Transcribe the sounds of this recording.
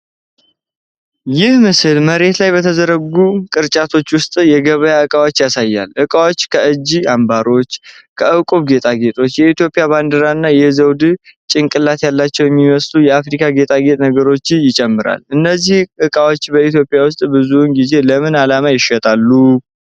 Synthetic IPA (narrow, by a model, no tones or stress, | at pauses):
jɪhmɨsɨlməɾe̞t̪lajbət̪ʰəzəɾəɡukʼɨɾt͡ʃʼat̪ʰo̞t͡ʃːwʊst̪ʼjɛɡəβəjaɨkʼawo̞t͡ʃːjasajːa̰lʔɨkʼawo̞t͡ʃːkʰəɨd͡ʒːiambaɾo̞t͡ʃːkʰəʔɨkʼuβɡe̞t̪ʼaɡe̞t̪ʼo̞t͡ʃːjɛit̪jo̞pʼijaband̪əɾaɨnːajɛzəwd̪ɨt͡ʃʼɪŋkʼɨlat̪jalːat͡ʃːɛwjɛmːiməslujɛafɾikʰaɡe̞t̪ʼaɡe̞t̪ʼnəɡəɾo̞t͡ʃːjɪt͡ʃʼɛmːɨɾa̰lɨnːəzːihʔɨkʼawo̞t͡ʃːbəit̪jopʼijawʊst̪ʼbɨzunɡize̞ləmɨnalamajɪʃət̪ʼalːu